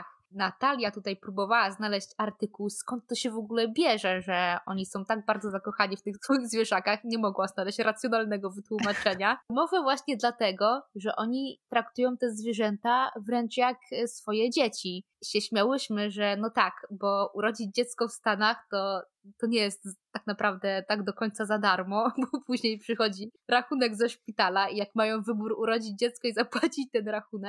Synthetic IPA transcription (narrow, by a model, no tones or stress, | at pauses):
x | nat̪alʲjat̪ut̪ajpɾubɔvawaznalɛɕt͡ɕaɾt̪ɘkuwskɔnt̪ːɔɕɛvɔɡulɛbʲjɛʐɛʐɛɔɲisɔ̃w̃t̪aɡ̚baɾd̪zɔzakɔxaɲift̪ɘxsfɔjiɣzvʲjɛʐakaxɲɛmɔɡwaznalɛɕt͡ɕɾat̪sʲjɔnalnɛɡɔvɘt̪wumat͡ʂɛɲamɔvɛvwaɕɲɛd̪lat̪ɛɡɔʐɛʔɔɲit̪ɾakt̪ujɔ̃w̃t̪ɛzvʲjɛʐɛnt̪avɾɛnt͡ʂjaksfɔjɛd͡ʑet͡ɕi | ɕɛɕmʲawɘɕmɘʐɛnɔt̪akbɔuɾɔd͡ʑid͡ʑd͡ʑɛt̪skɔfst̪anaxt̪ɔ | t̪ɔɲɛjɛst̪ːaknapɾavd̪ɛt̪aɡd̪ɔkɔɲt̪sazad̪aɾmɔbɔpuʑɲejpʂɘxɔd͡ʑiɾaxunɛɡzɛʂpʲit̪alaijakmajɔ̃w̃vɘbuɾuɾɔd͡ʑid͡ʑd͡ʑɛt̪skɔizapwat͡ɕit͡ɕt̪ɛnɾaxunɛk̚